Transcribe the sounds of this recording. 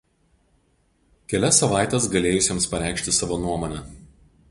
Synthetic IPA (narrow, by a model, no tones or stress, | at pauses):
kʲɛlʲɛsːɐʋɑˑɪt̪ʲɛs̬ɡɐlʲeːjʊsʲeːmspɐɾʲæˑɪkʃʲt̪ʲɪsɑːʋoːnuɔmoːnʲɛ